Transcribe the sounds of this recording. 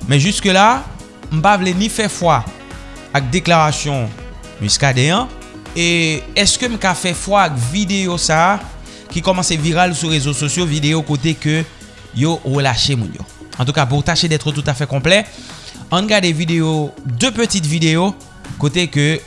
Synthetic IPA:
mɛ̃ʒyskəla | m̩pavlenifɛfwa | ak̚d̪eklaʁasjɔ̃ | y̰skad̪ɛ̃ɑ̃ | eɛskəm̩kafɛfwaːkvid̪eosa | kikɔmɑ̃seviʁalsuʁezososjovid̪ejokot̪̬ekø | joʁəlaʃemṵ̃njo̰ | ɑ̃t̪̬ukap̬uʁt̪aʃed̪ɛt̪ʁət̪ut̪afɛkɔ̃plɛ | ɔ̃nɡaʁd̪evid̪ejod̪øpøt̪it̪vid̪ejo | kot̪ekø

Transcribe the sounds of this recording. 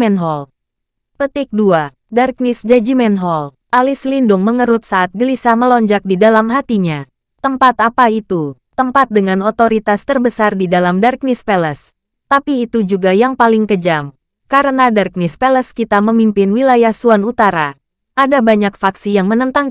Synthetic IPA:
mɛnɦɔl | pət̪ɪk̚dua | dark̚nisd͡ʒad͡ʒimɛnɦɔl | ʔalislindʊŋməŋəɾʊt̪̚saːt̪̚ɡəlisaməlɔɲd͡ʒak̚didalamɦat̪iɲa | t̪əmpat̪apait̪u | t̪əmpat̪̚dəŋanot̪oɾit̪ast̪ərbəsardidalamdark̚nispɛləs | t̪apiːt̪ud͡ʒuɡajaŋpalɪŋkəd͡ʒam | kaɾənadark̚nispɛləskit̪aməmimpɪnwilajahsuanut̪aɾa | ʔadabaɲak̚faksijaŋmənənt̪aŋ

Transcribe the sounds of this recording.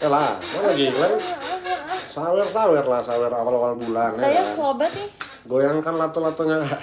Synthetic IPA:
ɛlamanaɡikla | sawɛrsawɛrlahsawɛrawalawalbulanɛaaobat̪ɪ | ɡojaŋkanlat̪ɔlat̪ɔɲa

